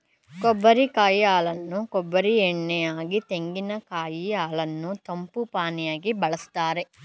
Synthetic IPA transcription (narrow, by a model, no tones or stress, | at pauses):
kobːɐɾikaːjiaːɭɐnːukobːɐɾieɳːɛjaːɡit̪e̞ŋɡinɐkaːjiaːɭɐnːut̪ɐmpupaːnijaːɡibɐɭɐst̪aːɾe